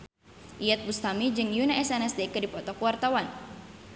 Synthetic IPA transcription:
ʔijɛt̪̚bust̪amid͡ʒɨŋjunaɛsɛnɛsd̪ekədipɔt̪ɔkwart̪awan

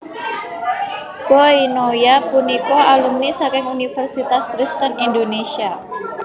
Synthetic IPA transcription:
b̥oinojapunikɔalumnisakɪŋunifərsit̪askɾist̪ənindonesia

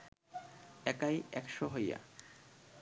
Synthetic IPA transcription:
ɛkajɛkʃoɦoja̰

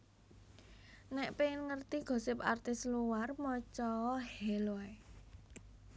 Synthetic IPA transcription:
nɛʔpenŋərt̪iɡ̥o̤sɪpa̰rt̪ɪsluwarmɔt͡ʃɔɔhɛloɛ

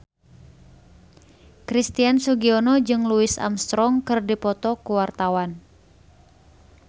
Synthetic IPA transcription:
kɾist̪iansuɡiɔnɔd͡ʒɨŋluɪsa̰mst̪ɾɔŋkɨrdipɔt̪ɔkuwart̪awan

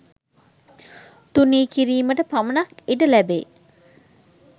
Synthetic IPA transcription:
t̪uniːkiɾiːməʈəpamənakiɖəlæbḛː

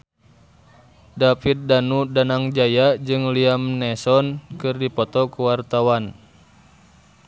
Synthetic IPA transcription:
dafit̪̚danudanaŋd͡ʒajad͡ʒɨŋliamnɛsɔnkɨrdipɔt̪ɔkuwart̪awan

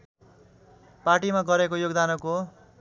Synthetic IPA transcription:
paʈimaɡʌɾekojoɡd̪anʌko

